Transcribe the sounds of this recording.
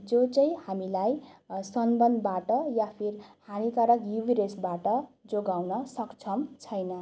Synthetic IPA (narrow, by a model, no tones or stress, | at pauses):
d͡zot͡sʌj̃hamilajsʌnbʌnd̪baʈʌjapʰirhanikaɾʌkjubʱiɾesbaʈʌd͡zoɡawnʌsʌkt͡sʰʌmt͡sʰʌjnʌ